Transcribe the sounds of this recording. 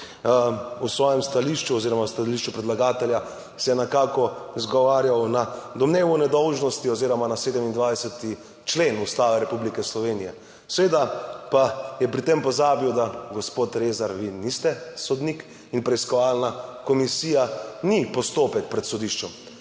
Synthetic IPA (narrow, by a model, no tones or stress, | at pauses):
usʋɔːjɛmst̪aliʃt͡ʃuɔziɾɔmast̪aliʃt͡ʃupɾɛd̪laɡaːt̪ɛlja | sɛjɛnɛkaːkɔzɡɔʋaːɾjawnad̪ɔmneːʋunɛd̪ɔwʒnɔst̪iɔziːɾɔmanaseːd̪ɛmind̪ʋajsɛt̪i | t͡ʃlenust̪aːʋɛɾɛpublikɛslɔʋeːnijɛ | sɛʋeːd̪apajɛpɾit̪empɔzaːbiwd̪aɡɔspoːt̪ɾezaɾʋinist̪ɛsɔd̪nik | inpɾɛiskɔʋaːlnakɔmisiːjanipɔst̪oːpɛk̚pɾɛt̪sɔd̪iʃt͡ʃɔm